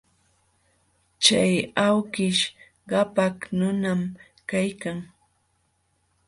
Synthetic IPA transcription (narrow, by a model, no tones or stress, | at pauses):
t͡ʃajawkɪʃ | ɢɑpaknʊnam | kajkaŋ